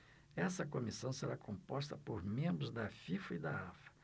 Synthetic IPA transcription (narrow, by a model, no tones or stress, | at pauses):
ɛsɐkomisɐ̃w̃seɾakʰõpɔst̪ɐpoɾmẽmbɾʊzd̪ɐfifɐid̪aafɐ̥